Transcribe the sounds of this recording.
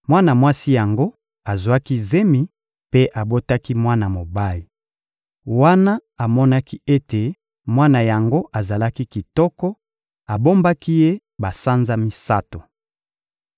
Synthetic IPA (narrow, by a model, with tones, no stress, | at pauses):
mwa˦na˨mwa˦si˦ja˨ŋɡo˦ | a˨zu˨a˦ki˦ze˦mi˨ | pe˦ʔa˨bo˦ta˦ki˦mwa˦na˨mo˨ba˦li˨ | wa˦na˦a˨mɔ˦na˦ki˦e˦te˨ | mwa˦na˨ja˨ŋɡo˦ʔa˨za˨la˦ki˦ki˨tɔ˦kɔ˦ | a˨bo˦mba˦ki˦je˦ | ba˨sa˦nza˦mi˨sa˦to˨